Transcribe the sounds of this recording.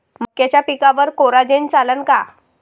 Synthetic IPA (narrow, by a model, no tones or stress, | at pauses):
məkːjat͡ɕjapikaʋəɾkoɾad͡ʑent͡salənka